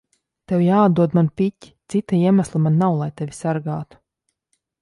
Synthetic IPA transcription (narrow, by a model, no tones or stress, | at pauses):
t̪ewjaːad̪d̪uɔd̪manpʲicʲi̥t̪sit̪aiɛmaslˠamanːawlˠajt̪evʲisaɾɡaːt̪u̥